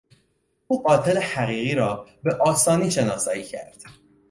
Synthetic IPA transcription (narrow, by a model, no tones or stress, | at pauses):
uːbɒːt̪ʰelehæɣiːɣiːɾɒːbe̞ʔɒːsɒːniːʃe̞nɒːsɒːiːcʰæ̰ɾd̪̥